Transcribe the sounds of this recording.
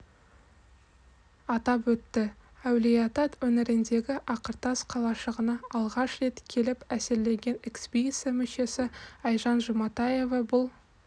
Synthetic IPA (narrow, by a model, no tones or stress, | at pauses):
ɑt̪ɑpwɵt̪ːɪæwlijɑt̪ɑt̪wɵnɪɾɪnd̪e̞ɡʲɪʔɑqəɾt̪ɑsqʰɑlˠɑʃəʁənɑɑlˠʁɑʃre̞t̪kʲʰe̞lɪpæsɪɾle̞ŋɡʲe̞nekspʲijsemʏʃe̞sɪɑjʒɑnʒʊmɑt̪ɑje̞vɑbʊlˠ